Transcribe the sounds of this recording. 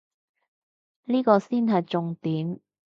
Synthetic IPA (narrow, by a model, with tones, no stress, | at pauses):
liː˥kɔː˧siː˥nɦɐ˨jt͡sʊ˨ŋt̪iː˨˥m